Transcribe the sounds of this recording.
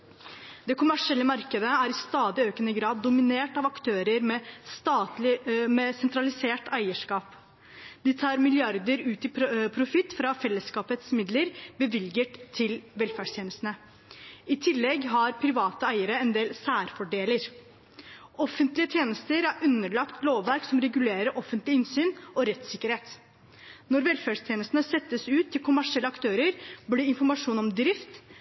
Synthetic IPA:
d̪̥ɛkʰʊmæʂɪɛlːəmɑɾkəd̪əæɾɪst̪ɑːd̪ɪøːkənəɡɾɑːd̪ːʊmɪneːʈɑʋɑkt̪ʰøːɾəɾmɛst̪ɑːmɛsɛnt̪ɾɑlɪseːʈæɪəʂkɑːp | d̪ɪt̪ʰɑːɾmɪlɪɑɾd̪əɾʉːt̪ɪpʰɾʊfɪt̪ːfɾɑfɛlːəskɑːpət̪smɪd̪ləɾbəʋɪlɡəʈt̪ʰɪlʋɛlfæːɖʂt̪ʰjeːnəst̪ənə | ɪt̪ʰɪlːɛɡɦɑɾpʰɾɪʋɑːt̪əæɪəɾəɛnd̪eːlsæːɾfɔɖeːləɾ | ɔfənt̪lɪət̪ʰjeːnəst̪əɾæɾʉnːəɭɑkt̪ʰloːʋʋæɾksɔmɾɛɡʉleːɾəɾʔɔfənt̪lɪɪnsyːnʔɔɾɛt̪sɪkːəɾheːt̪ | nɔɾʋɛlfæːɖst̪ʰjeːnəst̪nəsɛt̪ːəsʉːt̪ʰːɪlkʰʊmæʂɪɛlːəɑkt̪ʰøːɾəɾbliːɪnfɔɾmɑʂuːnɔmd̪ɾɪft̪

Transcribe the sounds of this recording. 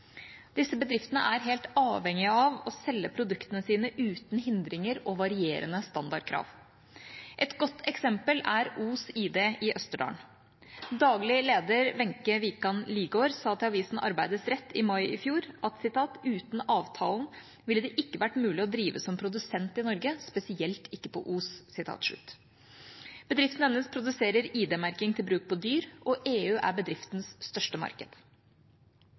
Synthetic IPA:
d̪̥ɪsːəbəd̪ɾɪft̪ənə̰ʔæɾɦeːlt̪ɑːʋɛŋɪəɑʋɔsɛlːəpʰɾʊd̪ʉkt̪ənəsiːnəʔʉːt̪n̩ɦɪnd̪ɾɪŋəɾɔʋɑɾɪeːɾənəst̪ɑnd̪ɑɖkʰɾɑ̰ːʋ | ʔɛt̪ɡɔt̪ʰːɛksɛmpəlæɾuːsiːd̪eʔɪʔœst̪əɖɑ̰ːɳ | d̪ɑːɡlɪleːd̪əɾʋɛŋkəʋikɑnliːɡoːɾsɑːt̪ʰɪlɑʋiːsn̩ʔɑ̰ɾbæɪd̪əsɾɛt̪ʰːɪmɑɪʔɪfjuːɾʔɑt̪sɪt̪ʰɑːt̪ʉːt̪n̩ɑːʋt̪ʰɑːln̩ | ʋɪləd̪ɛʔɪkːəʋæʈmʉːlɪɔd̪ɾiːʋəsɔmpʰɾʊd̪ʉsɛnt̪ɪnɔɾɡəspɛsɪɛlt̪ʰɪkːəpʰɔ̰ʔuːssɪt̪ʰɑ̰ːt̪ʂʉ̰t̪ː | b̥əd̪ɾɪft̪n̩ɛnːəspʰɾʊd̪ʉseːɾəɾiːd̪ɛːmæɾkɪŋt̪ʰɪlbɾʉːk̚pʰɔd̪yːɾʔɔʔeːʉːʔæ̰bəd̪ɾɪft̪n̩sst̪œʂʈəmɑ̰ɾkə̰d̪̥

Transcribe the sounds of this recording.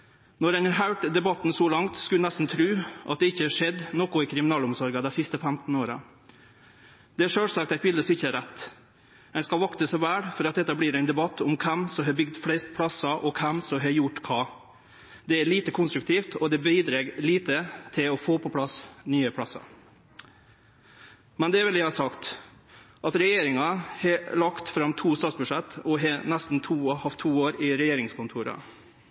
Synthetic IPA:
nɔɾɛnɑɾɦɑʉʈd̪ɛbɑt̪ːnsɔlɑŋt̪skʉlnæst̪n̩t̪ʰɾʉːʔɑ̰t̪̚d̪ɛɪçːəhɑʂɛd̪noːkʊɪkʰɾɪmɪnɑːlʊmsɔɾɡɑd̪æɪsɪst̪əfæmt̪n̩oːɾɑ | d̪̥ɛæʂøːlsɑkt̪æɪt̪bɪld̪əsɔmɪçːəæɾæt̪ː | ɛɪnskɑlʋɑkt̪əsɔʋæːɽfɔɾɑt̪̚d̪ɛt̪ːɑbliːɾæɪnd̪ɛbɑt̪ːʊmkʰɛmsɔmɦɑːbʏɡd̪flɛɪst̪̚pʰɽɑsɑʔɔkʰɛmsɔmɦɑːɾjʊʈːkʰɑː | d̪ɛæɭiːt̪əkʰʊnst̪ɾʉk̚t̪ʰiːft̪ʰɔd̪ɛbiːd̪ɾeːɡliːt̪ət̪ʰɪlɔfoːpʰɔpʰlɑsnyːəpʰɽɑsːɑ̰ | mɛnd̪ɛæɾʋɛljæɪhɑsɑkt̪ | ʔɑt̪ɾɛjeːɾɪŋɑhɛlɑkt̪fɾɑmːt̪ʰuːst̪ɑːt̪sbʉʂɛt̪ːɔɦenæst̪n̩t̪ʰuːhɑft̪ʰːuːoːɾɪɾɛjeːɾɪŋskʊnt̪ʰuːɾɑ̰

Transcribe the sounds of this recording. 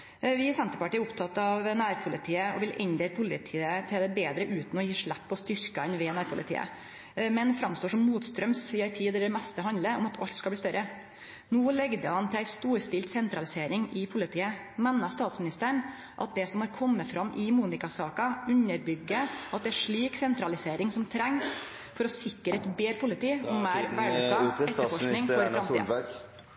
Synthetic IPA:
ʋɪɑsɛnt̪əɾpɑʈiːəʊpt̪ʰɑt̪ːɑʋnæːɾpʰʊlɪt̪ʰiːəɔ̰ʋɪlʔɪnd̪ɛːlpʰʊlɪt̪ʰiːət̪ʰɪld̪ɛbeːd̪ɾəʔʉːt̪n̩ɔjiːʂɭæpːɔst̪ʏɾkɑnʋɛnæːɾpʰʊlɪ̰t̪ʰḭːə̰ | mɛnfɾɑmst̪oːʂɔmːuːt̪st̪ɾœmssiɑɪt̪ʰiːd̪ɛd̪ɛmɛst̪əɦɑnd̪ləɔmɑt̪ʰɑ̰lt̪skɑlblːst̪œɾə | noːlɛɡd̪əhɑnt̪ʰɪlæɪst̪uːɾst̪ɪlt̪sɛnt̪ɾɑlɪseːɾɪŋɪpʰʊlɪt̪ʰiːə | mɛnːɑst̪ɑːt̪smɪnɪst̪əɳ | ʔɑ̰t̪̚d̪ɛsɔmhɑɾkʰɔmːəfɾɑmːʔɪmuːnɪkɑsɑːkɑʉnːəɾbʏɡːəɑt̪̚d̪ɛæʂɭiːksɛnt̪ɾɑlɪseːɾɪŋsɔmt̪ʰɾɛŋs | fɔɾɔsɪkːəɾəɛt̪beːɾpʰʊlɪt̪iːɔːæːɾʋæɖəɑɛt̪əfɔʂknɪŋɔɾɾɑmt̪ḭː

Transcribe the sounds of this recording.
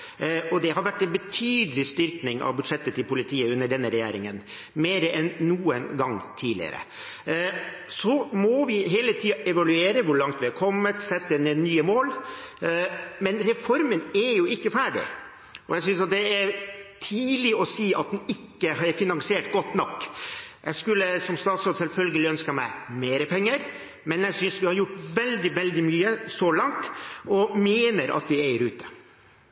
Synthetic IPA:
ɔd̪ɛɦɑɾʋæʈːɛnbət̪ʰyːd̪əlɪst̪ʏɾknɪŋɑ̰ʋbʉd̪ʂɛt̪ːət̪ɪlpʊlɪt̪ʰiːəʉnːəɖɛnːəɾɛjæ̰ːɾɪ̰ŋən | meːɾəʔɛnːuːənɡɑŋt̪ʰiːdlɪ̰ə̰ɾə̰ | sɔmɔʋɪɦeːlət̪ʰiːɑʔɛʋɑlʉeːɾəʋʊɾɭɑŋt̪ʋɪhɑɾkʰɔmːət̪sɛt̪ːənənyːəmoːl | mɛnɾɛfɔɾmənæɾjʊɪkːəfæːɖɪ̰ | ɔjæɪs̬ʏnsɑt̪̚d̪ɛæɾt̪ʰiːlɪɔsiːʔɑt̪̚d̪ɛnɪkːəɦɑɾfɪnɑŋsɪeːʈɡɔt̪ːnɔkːjæskʉlːəsɔmst̪ɑːt̪sɔd̪sɛlfœlɡəlɪœnskəmæ̰ɪmeːɾəpʰɛŋːəɾ | mɛnjæɪsʏnsʋɪhɑjʊʈːʋɛld̪ɪʋɛld̪ɪmyːəsɔlɑŋt̪ɔmeːnəɾʔɑ̰t̪̚d̪ɪæɪəɾʉːt̪ə̥

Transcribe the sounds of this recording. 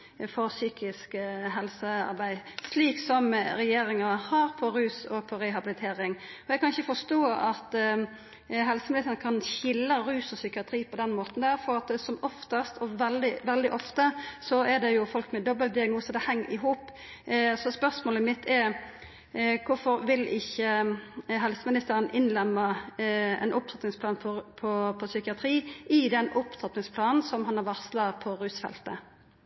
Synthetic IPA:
fɔɾsyːkʰɪskɦɛlsəɑ̰ɾbæɪsliːksɔmɾɛjeːɾɪŋɑhɑɾpʰɔɾʉːsɔpʰɔɾɛɦɑbɪlɪt̪ʰeːɾɪŋ | ɔɛɡkʰɑnɪçəfɔʂt̪oːɑt̪ | ɦɛlsəmɪlɛsənəkʰɑnçɪlːəɾʉːsɔsʏkɪɑt̪ʰɾiːpʰɔd̪ɛnmoːt̪n̩d̪æːɾfɔɾɑt̪sɔmɔft̪əst̪ʰɔʋɛld̪ɪʋɛld̪ɪʔɔft̪əsɔɛʁd̪ɛjʊfɔlkmɛd̪ɔbəlt̪̚d̪ɪɑɡnuːsəd̪ɛhɛŋːɪɦuːp | sɔspœʁsmoːləmɪt̪ʰːɛɾ | kʰʊfɔɾʋɪlɪçːə | ɦɛlsəmɪnɪst̪æːɾənʔɪnlɛmːə | ɛ̰nʔʊp̪ʰɑt̪nɪŋspʰlɑːnpʰɔpʰɔpʰɔsʏkɪɑt̪ʰɾiːʔɪd̪ɛnʔʊpt̪ʰɑt̪nɪŋspʰlɑːnn̩sɔmɦɑnɑʁʋɑʁslɑpʰɔɾʉːsfɛ̰lt̪ə

